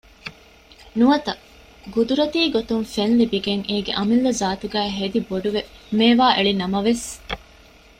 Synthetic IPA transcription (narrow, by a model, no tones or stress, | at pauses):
nuɐt̪ɐ | ɡud̪uɾɐt̪iːɡot̪uŋfenlibiɡeŋeːɡeʔɐmilːɐzaːt̪uɡæːɦed̪iboɖuʋemeːʋaːʔeɭinɐmɐʋes